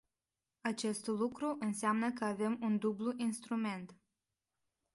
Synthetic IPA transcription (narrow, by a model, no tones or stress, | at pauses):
at͡ʃe̞st̪lukɾuʔɨnseamnəkəave̞mund̪ubluʔinst̪ɾume̞nt̪